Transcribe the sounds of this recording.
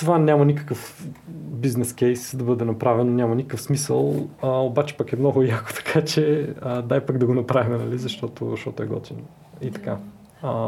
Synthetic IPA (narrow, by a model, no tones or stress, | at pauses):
t̪ovanʲamɐnikə̥kəf | biznɛskɛjsd̪ɐbɤd̪ɛnɐpɾavɛnonʲamɐnikəkəfsmisəlˠəobat͡ʃɛ̥pɐkɛmnɔɡʊjako̥t̪ɐ̥kʰat͡ʃɛəd̪ajpaɡd̪ɐɡonɐpɾavimɛnɐlizɐʃt̪ɔt̪o̰ʃt̪ɔt̪ʊɛɡɔt̪in | it̪ɐ̥ka